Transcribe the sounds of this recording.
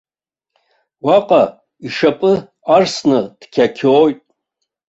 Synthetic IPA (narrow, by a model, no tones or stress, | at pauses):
waqʼa | iʂapʼɨ | arsnɨd̥kʲʰakʲʰoːjtʼ